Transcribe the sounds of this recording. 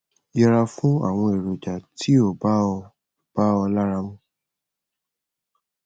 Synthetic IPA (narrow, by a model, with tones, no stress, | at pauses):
jɛ˧ɾa˧fũ˦a̰˦˨w̃ɔ̃˧e˨ɾo˨d͡ʒa˨ti˦o˦˨ba˦ɔ˧˨ | b̥a˦ɔ˧la˦ɾa˧˦mũ˦